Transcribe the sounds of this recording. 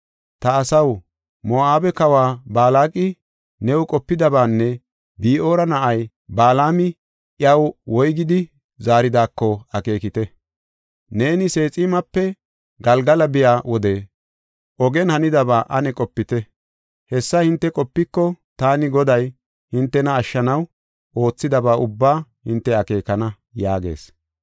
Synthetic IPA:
t̪ɐːsɐw | moaːbɛkɐwaːbaːlaːkʼɪ | nɛwʊkʼɔpːɪd̪ɐbaːnːɛ | biːʔo̞ːɾɐnɐʔɐj | baːlaːmɪ | ʔjɐwwɔjɡɪd̪ɪ | zaːɾɪd̪aːkːɔɐke̞ːkɪt̪ɛ | neːnɪse̞ːt͡sʼiːmɐpːɛ | ɡɐlɡɐlɐbɪjaːwɔd̪ɛ | ʔɔɡɛnhɐnɪd̪ɐβaːʔɐnɛkʼɔpːɪt̪ɛ | hɛsːɐhɪnt̪ːɛkʼɔpːɪkːɔt̪aːnɪɡɔd̪ɐj | hɪnt̪ːɛnɐːʃːɐnɐw | ʔo̞ːt͡sːɪd̪ɐbaːʔʊbːaːhɪnt̪ːɛɐke̞ːkɐnɐ | jaːɡe̞̰ːs

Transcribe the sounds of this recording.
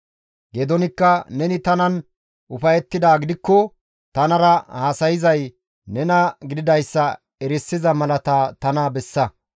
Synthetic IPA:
ɡeːd̪ɔnɪkːɐnɛnɪt̪ɐnɐn | ʔʊfɐjɛt̪ːɪd̪aːɡɪd̪ɪkːɔ | t̪ɐnɐɾɐhaːsɐjɪzɐj | nɛnɐɡɪd̪ɪd̪ɐjsːɐ | ɛɾɪsːɪzɐmɐlɐt̪aːt̪ɐnaːbɛsːɐ

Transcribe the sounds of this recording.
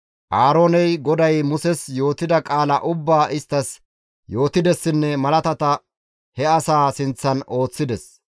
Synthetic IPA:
ʔaːɾoːnɛjɡɔd̪ɐjmʊsɛsjo̞ːt̪ɪd̪ɐkʼaːlɐʔʊbːaːʔɪst̪ːɐs | jo̞ːt̪ɪd̪ɛsːɪnːɛmɐlɐt̪ɐt̪ɐ | hɛɐsaːsɪnt͡sːɐno̞ːt͡sːɪd̪ɛs

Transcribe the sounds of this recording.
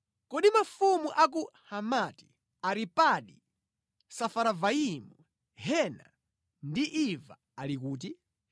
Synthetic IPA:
kɔɗimafumuʔak̬uhamati̥ | aɾipaɗi | safaɾavaimu | hɛna̰ | ndiʔiva̰ | alikuːt̬i

